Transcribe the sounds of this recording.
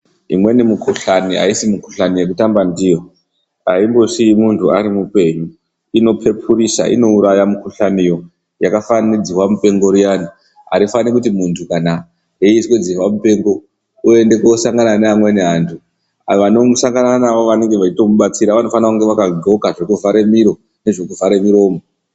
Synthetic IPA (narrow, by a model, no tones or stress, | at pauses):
ḭmwe̞nimukuɬaniɦa̰isimukuɬanije̞k̬utambandijo̞ | a̰imbo̞ʃiimuntʰuaɾimupe̞ɲu | ino̞pʰe̞pʰurisa̰ʔḭno̞uɾajamukuɬanijo̞ | jakafanid͡ziwamupe̞ŋɡo̞ɾijani | ɦa̰ɾifanikut̬imuntʰukana | ɦeiskod͡ziwamupe̞ŋɡo̞ | ue̞nde̞kosaŋɡananeɦamwe̞ne̞ɦaːntʰu | ʋano̞musaŋɡananaʋoʋane̞ŋɡe̞ʋat͡ʃito̞muɓat͡siɾaʋano̞fanakuŋɡe̞ʋakaɡʱo̞kaʐekuvʱaɾe̞miɾo̞ | ne̞ʐe̞kuvaɾe̞miɾo̞ːmo